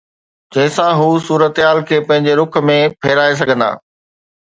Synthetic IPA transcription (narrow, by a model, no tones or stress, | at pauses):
d͡ʑɐ̃ɦɪ̃sãɦuːsuːɾət̪ɦaːlkʰeːpɐ̃ɦɪ̃ɲ̆d͡ʑeɾʊk̆ʰmẽpʰeːɾaːes̬ɐɡʱə̃nd̪a̰ː